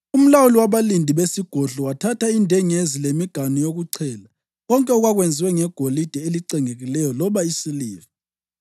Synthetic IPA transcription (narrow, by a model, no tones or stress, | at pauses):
um̩lawuliwaβalindʱiβesiɡ̥ʱoɮɔwatʰatʰaindʱɛŋezilemiɡ̥ʱanɔjoɣuǀʰɛːla | ɣɔŋkʼɛɔɣwaɣwend͡zʱiwɛŋɛɡ̥ʱolid̥ʱɛeliǀɛŋeɣilɛjɔlɔβaisiliːvi